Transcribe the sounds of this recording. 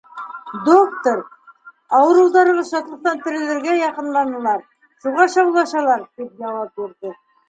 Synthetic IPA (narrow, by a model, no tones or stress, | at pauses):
d̪okt̪oɾ | ɑwɤ̆ɾɤ̆wðɑɾɤʁɤʃɑt̪lˠɤ̆q̚t̪ɑnt̪ɘ̆ɾɘ̆lɘ̆ɾɡæjɑqɤ̆nlˠɑnɤ̆lˠɑɾ | ʃuʁɑʃɑwlˠɑʃɑlˠɑɾt̪ip̚jɑwɑpjuɾðɤ